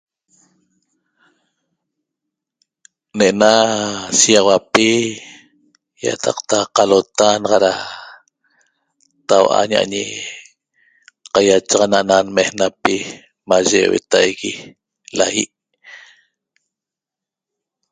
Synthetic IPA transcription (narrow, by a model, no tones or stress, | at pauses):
neʔenasiawapi | ja̰t̪ʰɑqt̪aqalot̪anʁɑɾa | t̪awʔa̰ɲa̰ʔɲḭ | qajat͡ʃɑʁɑnaʔnanmehnapi | maʒewḛt̪ajɣi | lajḭʔ